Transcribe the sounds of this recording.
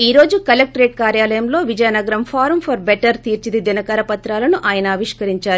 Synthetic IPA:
iːɾo̞ːd͡ʒukɐlek̚ʈɐɾeːʈ̚kaːɾjaːlɐjɐmlo̞ːʋid͡ʒɐjɐnɐɡɐɾɐmpʰaːɾmpʰɐɾbeʈɐɾt̪iːɾt͡ʃid̪id̪inɐkɐɾɐpɐt̪ɾaːlɐnuʔaːjɐnɐːʋiʂkɐɾiɲt͡ʃaːɾu

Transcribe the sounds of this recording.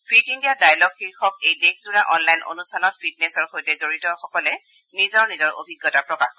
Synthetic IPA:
pʰitiŋdiadajlɔɡxiɹxɔkejdexzuɹaʔɔnlajno̰nustʰanɔt̚pʰid̚nesɔɹxojtɛzoɹitɔxɔkɔlɛ | nizɔɹnizɔɹo̰bʱiɡːɔtapɹɔkax

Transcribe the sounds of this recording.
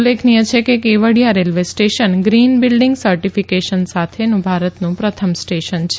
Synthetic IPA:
lːekʰnijət͡ʃʰekekeʋəɽijaɾelʋesʈeʃənɡɾinbilɖiŋɡsəɾʈifikeʃənsat̪ʰenũbʱaɾət̪nũpɾət̪ʰəmsʈeʃənt͡ʃʰe

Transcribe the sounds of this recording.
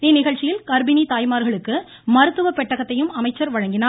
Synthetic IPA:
eːnɪɣɐɻt͡ʃːɪjɪlkɐɾbɪnit̪aːjmaːɾɣɐɭɯkːɯ | mɐɾɯt̪ːɯʋɐpːɛʈːɐɣɐt̪ːɐjɯmɐmɐɪt͡ʃːɐɾʋɐɻɐŋɡɪnaː

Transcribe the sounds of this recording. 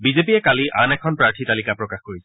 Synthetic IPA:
bizepijɛkaliʔanɛkʰɔnpɹaɹtʰitalikapɹɔkaxkoɹisɛ

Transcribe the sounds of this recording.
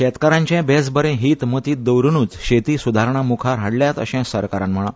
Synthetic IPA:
ɕɛt̪kaɾãɲt͡ɕɛ̃bɛsbəɾẽɦiːt̪mət̪iːt̪̚d̪əwɾnuːt͡sɕet̪iːsud̪ʱaɾɳamukʰaɾɦaɽljat̪ə̰ɕɛ̃səɾkaɾãmm̤əɭ̃ã

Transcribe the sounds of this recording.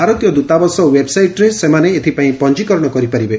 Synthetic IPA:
aɾɔt̪jɔd̪ut̪abɔsɔwebsajʈɾesemaneːt̪ʰipaĩpɔɲd͡ʒikɔɾɽ̃ɔkɔɾipaɾibe

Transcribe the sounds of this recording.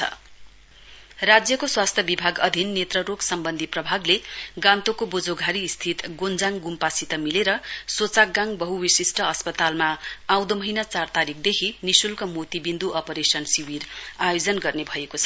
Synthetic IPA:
t͡sʰʌ̰ | rad͡zjʌkoswast̪ʰjʌbibʱaɡʌd̪ʱinːet̪rʌɾoɡsʌmbʌnd̪ʱiprʌbʱaɡleɡãnt̪okobod͡zoɡʱaɾist̪ʰit̪ɡond͡zaŋɡumpasit̪ʌmileɾʌsot͡sak̚ɡãŋbʌɦuwisisʈʰʌʌspʌt̪almaaw̃d̪omʌɦinat͡sart̪aɾik̚ʰd̪ekʰinisulkamot̪ibind̪uʔʌpʌɾesʌnsiwirajod͡zʌnɡʌrnebʱʌekot͡sʰʌ

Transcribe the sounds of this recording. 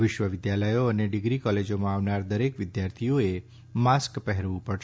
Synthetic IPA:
ʋɪʃʋəʋɪd̪jaləjoəneɖɪɡɾikɔled͡ʒomãaʋnaɾd̪əɾekʋɪd̪jaɾt̪ʰijoe | maskpəɦɛɾʋũpəɾʃ

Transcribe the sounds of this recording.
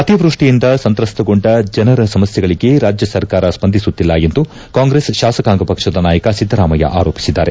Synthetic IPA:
ɐt̪iʋɾuʂʈijind̪ɐsɐnt̪ɾɐst̪ʰɐɡo̞ɳɖɐd͡ʒɐnɐɾɐsɐmɐsjɐɡɐɭiɡe̞ɾaːd͡ʒjɐsɐɾkaːɾɐspɐnd̪ʱisut̪ːilːɐjend̪u | kaːŋɡɾesʃaːsɐkaːŋɡɐpɐkʂɐd̪ɐnaːjɐkɐsid̪ʱːɐɾaːmɐjɐ̰ʔa̰ːɾoːpi̥sid̪ːa̰ːɾe

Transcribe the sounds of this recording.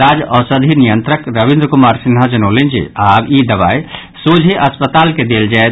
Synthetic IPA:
ad͡ʒɔsəd̪ʱinijənt̪ɾəkɾəbĩnd̪ɾəkumaɾsinɦad͡ʒənəʊlend͡ʒḭabid̪əβai | sod͡ʒʱeʔəspət̪alked̪eld͡ʒae

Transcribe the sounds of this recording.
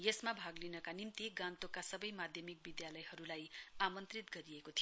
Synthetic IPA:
jesmabʱaɡlinʌkanimt̪iɡãnt̪okasʌbʌjmad̪ʱjʌmik̚bid̪jalʌjhʌɾulajamʌnt̪rit̪ɡʌɾijekot̪ʰij

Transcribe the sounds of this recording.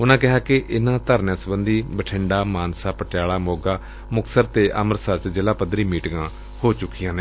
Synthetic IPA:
ʊnãːkɪɦaːkɪʔɪnãːt̪əɾnjãːsəbənd̪iːbəʈʰɪɳɖaːmaːnsaːpəʈjaːɭaːmoːɡaː | mʊksəɾt̪eːʔəməɾsəɾt͡ʃd͡ʒɪlaːpəd̪ɾiːmiːʈɡãː | hoːt͡ʃʊkːijãːneː

